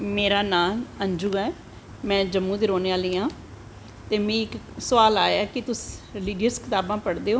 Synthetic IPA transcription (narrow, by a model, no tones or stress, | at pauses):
meːɾaːnaːməɲd͡ʒuːɛː | mɛ̃ːd͡ʒəmːũːd̪eːɾoːneːaːliːãː | t̪eːmɛ̃ːɪk | sʊaːlaːjaːkɪt̪ʊsliːɖijəɾskʰɪt̪aːbãːpəɽd̪eːoː